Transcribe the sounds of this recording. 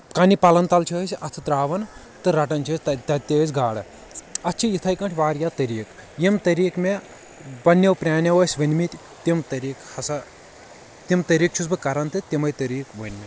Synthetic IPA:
kɐnʲipɐlɐnt̪ɐlt͡ʃʰɐɦsʲʔɐt̪ʰɨt̪ɾaːʋɐn | t̪ɨɾɐʈɐnt͡ʃʰɐːsʲt̪ɐt̪ɐt̪ʲeːzʲɡaːɽɐ | ɐtːt͡ʃʰijit̪ʰɐjkɐɳʈʰʲʋaːɾjaːt̪ɐɾiːk | jimt̪ɐɾiːkme | bɐnːewpɾʲaːnʲɐʋɐːsʲʋɐnʲmit̪ʲ | t̪imt̪ɐɾiːkhɐsɐ | t̪imt̪ɐɾiːk̚t͡ʃʰusbɨkɐɾɐnt̪ʰɨt̪imɐjt̪ɐɾiːkʋənʲmʲi

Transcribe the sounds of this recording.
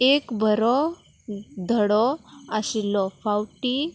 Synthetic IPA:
ekbʱəɾɔ | d̪ʱəɽɔaɕilɔfawʈi

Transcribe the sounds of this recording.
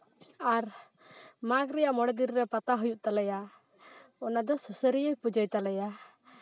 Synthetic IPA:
aɾ | makɾɛjaʔmɔɽɛd̪iɾːɛpat̪aɦujuʔt̪alɛja | ɔnad̪ɔsusəɾijɔjpud͡ʒəjt̪alɛja

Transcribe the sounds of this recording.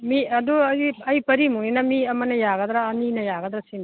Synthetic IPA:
miɐduɐjɐjpɐɾimuŋinɐmiɐmɐnɐjaɡɐd̪ɾaːninɐjaɡɐd̪ɾasin

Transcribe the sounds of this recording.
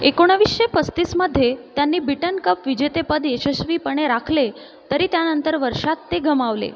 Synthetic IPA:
ekoɽ̃əʋisɕepəst̪isməd̪ʱːjet̪janːiːbiʈənkəpʋid͡ʑet̪epəd̪eɕəɕʋiːpəɳ̃eɾakʰle | t̪əɾiːt̪janənt̪əɾʋəɾʂat̪ːeɡʱəmaʋlḛ

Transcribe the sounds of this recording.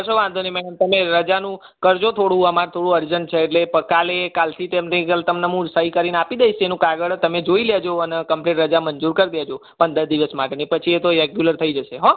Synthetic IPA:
əʃoʋãnd̪ʱonimɛɽəmt̪əmeɾəd͡ʒanũ | kəɾd͡ʒot̪ʰoɽũəmaɾt̪ʰoɽũəɾd͡ʒənt͡ʃʰeːʈlepəkalekalt̪ʰit̪emneɡəlt̪əmnəmũsəikəɾinapid̪əiʃenũkaɡəɽt̪əmed͡ʒoiljed͡ʒoənekəmpleʈɾəd͡ʒamənd͡ʒuɾkəɾd̪jed͡ʒopəɳd̪əɾd̪iʋəsmaʈenepət͡ʃʰiet̪oɾeɡjuləɾt̪ʰəid͡ʒəʃeɦo

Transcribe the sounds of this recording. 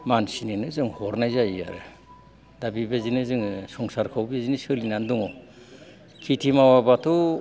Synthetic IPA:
mansinenɯzɯŋhɔɾnajzaja̰ɾɯ̰ | dabibezinɯzɯŋsɔŋsaɾkʰawbezinisɯlinandɔŋɔ | kʰitʰimawabatʰɔ

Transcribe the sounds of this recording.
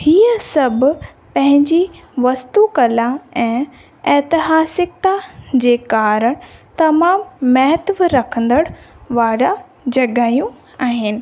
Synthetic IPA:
hiːəsɐbʱʊ | pɐ̃ɦɪ̃ɲd͡ʑiʋɐst̪ukɐlaɛ̃ː | ɛːt̪ɪɦaːsɪk̚t̪ad͡ʑeːkaːɾəɽ̃t̪ɐmaːmːɐɦət̪ʋɾɐkʰə̃nd̪əɽʋaːɾa | d͡ʑɐɡaːjũ | aːɦɪnɪ̆

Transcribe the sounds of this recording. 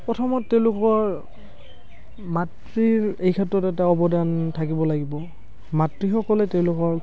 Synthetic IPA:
pɹɔtʰɔmɔttːeʊ̃lʊkɔɹ | mat | ɹiɹejkʰɛtɹɔtɛtaɔbɔdantʰakibɔlaɡibɔ | matɹixɔkɔlɛtɛʊ̃lʊkɔɹ

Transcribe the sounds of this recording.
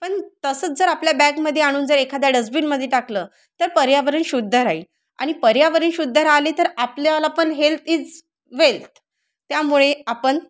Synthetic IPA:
pəɳt̪əsət͡sd͡zəɾapljabæɡməd̪ʱːjeaɽ̃uːnd͡zəɾekʰad̪jaɖəsbiːnməd̪ʱːjeʈakləː | t̪əɾpəɾjaʋəɾəːnɕud̪ʱːəɾai | a̰ɽ̃ipəɾjaʋəɾəːnɕud̪ʱːəɾaliːt̪əɾapljalapəɳɦelt̪ʰiːd͡z | ʋelt̪ | t̪jamuɭeapəɳ

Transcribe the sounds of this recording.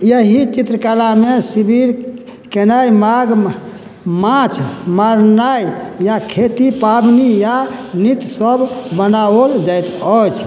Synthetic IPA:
jəɦit͡ʃit̪ɾəkalamesibiɾ | kenajmaɡ | mãt͡ʃʰmaɾnajjakʰet̪ipabnijanit̪səbbənaold͡ʒajt̪ət͡ʃʰ

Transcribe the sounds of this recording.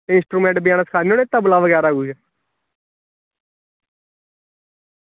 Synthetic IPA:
ɪ̃nsʈɾuːmẽːɳʈbjãːnsəkʰaːnioːneːt̪əblaːʋəɡɛːɾaːɡuːd͡ʒɛ

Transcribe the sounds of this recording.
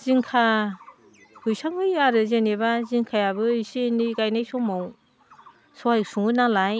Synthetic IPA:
z̥iŋkʰa | hɯjsaŋɯjaɾɯzenebaziŋkʰajabɯisenikajnajsɔmaw | sɔak̚suŋɡɯnalaj

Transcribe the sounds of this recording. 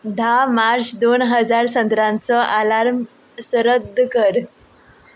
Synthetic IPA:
d̪ʱamaɾsd̪onɦəd͡zaɾsənd̪ɾãnt͡səʔalaɾm | səɾəd̪ʱːkəɾ

